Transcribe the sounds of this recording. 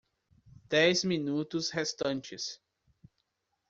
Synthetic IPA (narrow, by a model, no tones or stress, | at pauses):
d̪̥ɛjzmĩnut̪ʊshest̪ɐ̃nt͡ʃɪs